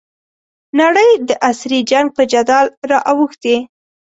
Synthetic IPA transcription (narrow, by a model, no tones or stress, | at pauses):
naɽəjd̪əʔasɾid͡ʒaŋɡ̚pəd͡ʒad̪ɑlɾɑʔawuxt̪e